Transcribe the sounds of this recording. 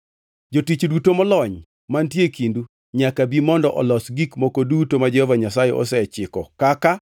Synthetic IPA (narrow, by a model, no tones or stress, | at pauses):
d͡ʒotit͡ʃdutomɔlɔɲ | mantjekindu | ɲakabimɔndɔʔɔlɔsɡikmokodutomad͡ʒɛhɔvaɲasajɛ̰ʔɔ̰sɛt͡ʃɪkɔkaka